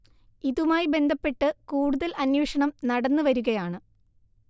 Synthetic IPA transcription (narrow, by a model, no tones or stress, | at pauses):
iðumaːjibe̞nd̪ʱɐpːe̞ʈːɨkuːɽuðɐlʔɐnjuːʂɐɳɐmnɐɽɐnːɨʋɐɾuɣɐjaːɳɨ